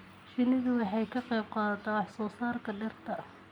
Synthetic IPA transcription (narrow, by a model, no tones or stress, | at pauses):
ʃɪnɪðʊwɑħɑjkʰɐqɛjb̚qɑːðɐt̪ʰɛɑħsɔːsaːrkʰɐɖɐrt̪ʰɐ